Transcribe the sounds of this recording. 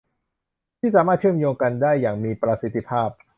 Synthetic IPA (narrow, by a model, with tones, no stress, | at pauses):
t̪ʰiː˥˩aː˩˦maː˥˩t̪̚t͡ɕʰɯ˥˩əmjoː˧ŋka˧ndaː˥˩jːaː˨˩ŋmiː˧pɾa˧si˦t̪ʰːi˧˩pʰaː˥˩p̚